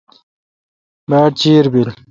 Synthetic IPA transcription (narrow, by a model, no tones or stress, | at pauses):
maːʈ̚t͡ɕiːɾbil